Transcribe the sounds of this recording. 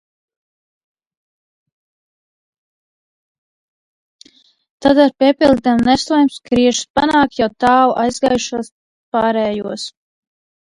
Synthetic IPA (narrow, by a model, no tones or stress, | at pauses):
t̪ad̪aɾpʲiɛpʲilˠd̪ɛmnɛsˠɔjmskɾiɛʒu̥spanaːkt̪jawt̪aːwuʔajzɡaːjuʃuɔs | paːɾɛːjuɔs